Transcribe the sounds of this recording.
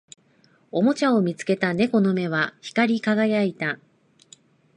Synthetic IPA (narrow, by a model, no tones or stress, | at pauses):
o̞mo̞t͡ɕaomʲit͡sɨ̥ke̞t̪ane̞ko̞no̞me̞β̞açi̥kaɾʲikaɡajait̪a